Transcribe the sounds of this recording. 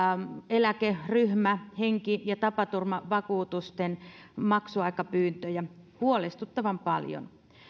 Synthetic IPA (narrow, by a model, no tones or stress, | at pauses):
elækeryhmæheŋkijɑt̪ɑpɑt̪urmɑʋɑkuːt̪ust̪enmɑksuɑikɑpyːnt̪øjæhuolest̪ut̪ːɑʋɑmpɑljo̰n